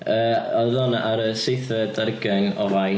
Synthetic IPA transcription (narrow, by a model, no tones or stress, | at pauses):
əːɔðɔnaɾəsejθɛdarɡɛnɔvaj